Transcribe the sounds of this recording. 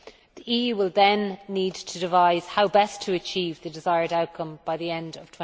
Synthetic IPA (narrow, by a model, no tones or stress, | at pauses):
ðiʔiːjʉːwɪlˠðə̃nːiːdtʰədɪvaɪz̥haʊbɛstʰəːt͡ʃʰiːvðədɪzaɪəɹɾaʊt̚kʰʌ̃mb̥aɪðiɛ̃ndə̰v̥tʰwɛ̃